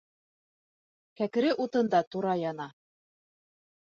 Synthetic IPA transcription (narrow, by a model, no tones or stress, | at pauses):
kækɘ̆ɾɘʔut̪ɤ̆nd̪ɑt̪uɾɑjɑnɑ